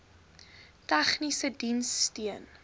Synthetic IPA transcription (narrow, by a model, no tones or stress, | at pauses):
tæχnisədinstiən